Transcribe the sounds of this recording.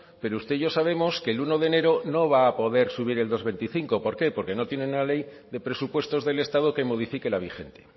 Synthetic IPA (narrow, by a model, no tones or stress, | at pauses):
pe̞ɾoust̪e̞ʝo̞saβe̞mo̞skeluno̞ðe̞ne̞ɾo̞no̞β̞aːpo̞ðe̞ɾsuβ̞iɾe̞ld̪o̞zβe̞nt̪iθiŋko̞po̞ɾke̞po̞ɾke̞no̞t̪jenenunale̞j | ðe̞pɾe̞supwe̞st̪ozðe̞le̞st̪að̞oke̞mo̞ðifike̞laβ̞ixe̞nt̪e̞̥